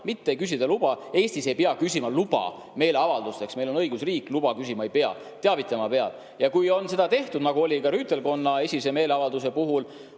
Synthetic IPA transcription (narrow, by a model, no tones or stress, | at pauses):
mit̪ːeejkys̬id̪̥ɑlub̥ɑe̞ːsʲt̪ise̞jpeɑkysʲimɑlub̥ɑ̰ | me̞ːjle̞ɑvɑld̪ust̪e̞ksmejlonɤiɡusriːkˑlub̥ɑkysimɑe̞jpeɑ̰ | t̪e̞ɑvit̪ˑlɑmɑpeɑ̰l | jɑkujo̞nse̞d̪ɑt̪e̞ht̪ud̪nɑɡ̥uo̞lʲikɑɾyːt̪ːˑe̞lko̞nːɑe̞sʲise̞me̞ːleɑvɑld̪us̬e̞puɦul